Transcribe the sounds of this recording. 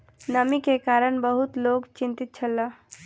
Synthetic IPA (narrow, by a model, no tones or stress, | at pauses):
nəmikekaɾənbəɦut̪lokt͡ʃint̪it̪̚t͡ʃʰəlːə